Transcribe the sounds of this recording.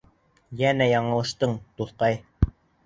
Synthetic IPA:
jænæjɑɴɤ̆lˠɤ̆ʃt̪ɤɴt̪uθqɑj

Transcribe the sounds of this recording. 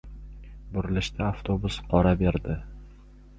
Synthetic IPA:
bʊɾɪlɪʃt̪ʰaaft̪ʰobʊsqʰɒɾabe̞ɾd̪ɪ

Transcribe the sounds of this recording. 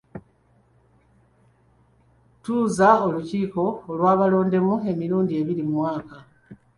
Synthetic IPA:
tuːzao̞luciːko̞ːlwaːβalo̞ːnde̞mue̞miɾuːndie̞βilimwaːka

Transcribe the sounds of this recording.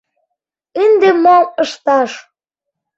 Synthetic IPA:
ind̪emoəʃt̪ɑʃ

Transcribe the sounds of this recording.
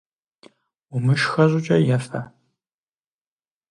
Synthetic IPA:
ʊmɨʃxɐʑʷʼʊt͡ʃʼɐjɛfɐ

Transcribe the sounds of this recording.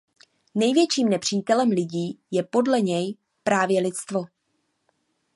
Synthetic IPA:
nɛjvjɛt͡ʃiːmnɛpr̝̥iːt̪ɛlɛmlɪɟiːjɛpo̞dlɛɲɛj | pɾaːvjɛlɪt̪t͡st̪vo̞

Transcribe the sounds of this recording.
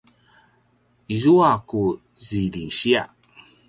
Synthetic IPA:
izuaku | zilinɕia̰

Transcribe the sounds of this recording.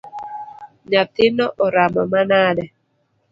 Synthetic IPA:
ɲat̪ɪnɔʔɔɾamɔmanadɛ

